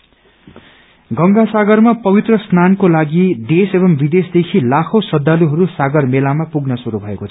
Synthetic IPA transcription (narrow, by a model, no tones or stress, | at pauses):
ɡʌŋɡasaɡʌrmapʌbit̪rʌsnankolaɡid̪esebʌmbid̪esd̪ekʰilakʰosʌd̪ːaluɦʌɾusaɡʌrmelamapuɡnʌsuɾubʱʌekot͡sʰ